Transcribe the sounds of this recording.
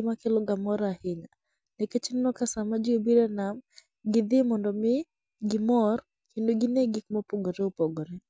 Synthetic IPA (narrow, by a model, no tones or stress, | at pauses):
makɛlɔɡamɔɾahɪɲa | nɛket͡ʃɪnnɔkasamad͡ʒiobiɾɛnam | ɡɪd̪ɪmɔndɔmɪ | ɡɪmɔr | kindoɡɪneɡɪkmɔpɔɡɔɾɛupɔɡɔɾɛ